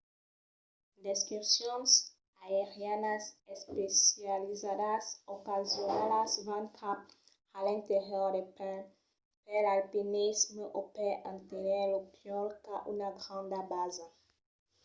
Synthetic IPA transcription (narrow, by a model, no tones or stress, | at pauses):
d̪eskʁipsjɔ̃ns | aeʁjanasespesjalizad̪asokazjonalasvãnkʰap | alɛ̃nt̪eʁjɔd̪epɛ̃ | pelalpinisməʔopɛʔãnt̪enelopjɔlkaʔunaɡʁɑ̃nd̪abaza